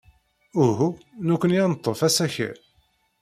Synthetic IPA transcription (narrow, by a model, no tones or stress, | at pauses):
uɦunukʷːənjænət̪ˤːofæsæçḭ